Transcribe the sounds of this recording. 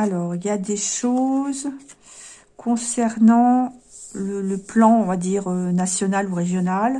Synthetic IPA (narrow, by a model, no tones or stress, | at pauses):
alɔːʁiljad̪eʃoz | kʰɔ̃sɛʁnɑ̃ | lələplɑ̃ɔ̃vad̪iːʁønasjɔnaluʁeʒjɔnal